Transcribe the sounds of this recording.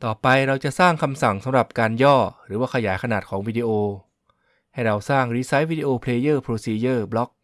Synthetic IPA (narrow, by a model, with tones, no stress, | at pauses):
t̪ɔː˨˩pa˧jɾa˧wt͡ɕa˨˩ʔsaː˥˩ŋkʰa˧msa˨˩ŋsa˨˦mɾa˨˩p̚kaː˧njɔː˥˩ɾɯː˩˦waː˥˩kʰa˧jaː˩˦jkʰa˧naː˨˩t̪̚kʰɔː˩˦ŋwiː˧di˧ʔoː˧ | ha˥˩jɾa˧wsaː˥˩ŋɾiː˧sa˦˥jwiː˧di˧ʔoː˧pʰleː˧jɤː˥˩pʰɾoː˧siː˧jɤː˥˩blɔ˦˥k̚